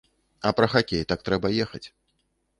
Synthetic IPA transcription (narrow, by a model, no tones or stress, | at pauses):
ɐpɾɐxakʲejt̪ak̚t̪ɾɛbɐjɛxɐ̰t͡sʲ